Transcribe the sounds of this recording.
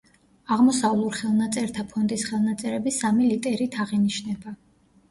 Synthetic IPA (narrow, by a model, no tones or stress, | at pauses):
aʁmɔsavlˠuɾχɛlˠnat̪sʼɛɾt̪ʰapʰɔnd̪ʼisχɛlˠnat̪sʼɛɾɛbisamilit̪ʼɛɾit̪ʰaʁiniʃnɛba